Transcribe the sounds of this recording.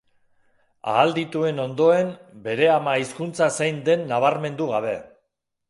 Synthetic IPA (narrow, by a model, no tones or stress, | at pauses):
a̰ːld̪it̪ue̞no̞nd̪o̞e̞mbe̞ɾe̞amaiskunt͡sasejnd̪e̞nːaβ̞aɾme̞nd̪uɣ̞aβ̞e̞